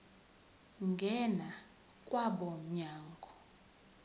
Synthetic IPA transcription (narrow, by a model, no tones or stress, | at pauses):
ŋɡʱɛna | kʼwaɓɔm̩ɲaːŋɡʱɔ